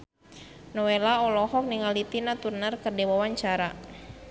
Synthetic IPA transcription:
nɔwelaɔlɔhɔk̚niŋalit̪inat̪urnərkərdewawaɲt͡ʃaɾa

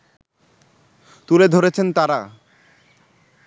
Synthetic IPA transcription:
t̪uled̪ʱoɾet͡ɕʰent̪aɾa

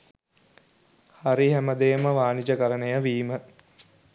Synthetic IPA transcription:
haɾiɦæməd̪eːməʋaːnid͡ʒəkəɾənəjəʋiːmə

